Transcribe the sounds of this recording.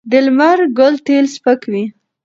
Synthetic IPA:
d̪ɪlmaɾɡʊlt̪elspəkwi

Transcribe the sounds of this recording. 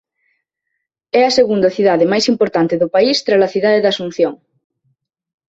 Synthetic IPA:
ɛɐseɣund̪ɐθiðaðɪmajsimpoɾt̪ant̪ɪðʊpaist̪ɾalɐθiðaðeðasun̟θjoŋ

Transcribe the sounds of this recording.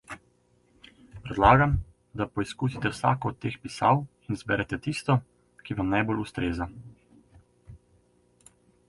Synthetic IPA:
pɾɛd̪laːɡam | d̪apɔiskusit̪ɛwsa̰ːkɔːt̪ːeːxpisa̰w | inzbɛɾɛt̪ɛt̪ist̪ɔ | kiʋamnajbolust̪ɾeːza

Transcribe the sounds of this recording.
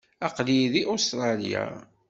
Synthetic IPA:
ɑqliðiʔost̪ɾˤɑlija̰

